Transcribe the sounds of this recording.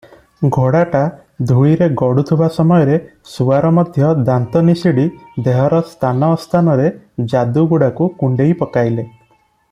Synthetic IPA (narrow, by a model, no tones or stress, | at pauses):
ɡʱoɽaʈa | d̪ʱujɾeɡɔɽut̪ʰibasɔmɔjɔɾesuaɾɔmɔd̪ʱjɔd̪ant̪ɔnisiɽid̪eɦɔɾɔst̪ʰanɔːst̪ʰanɔɾed͡ʒad̪uɡuɽakukuɳɖejpɔkajle